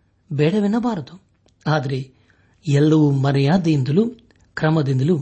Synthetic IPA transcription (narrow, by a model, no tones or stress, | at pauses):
bɛːɽɐʋinːɐbaːɾɐt̪u | aːd̪ɐɾe | ɛlːɐʋumɐɾɐjaːd̪ɐind̪ɐlu | kɾɐmɐd̪ind̪ɐlu